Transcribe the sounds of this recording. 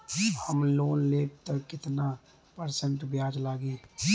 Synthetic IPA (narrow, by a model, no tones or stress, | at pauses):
həmloːnleːp̚t̪əkɪt̪na | pəɾsə̃ɳʈbjaːd͡ʒlaːɡẽː